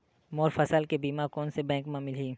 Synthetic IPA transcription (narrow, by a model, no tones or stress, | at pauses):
moːɾfɐsəlkebiːmaɾkɔːnsebɛ̃ːŋkmãmɪlɦiː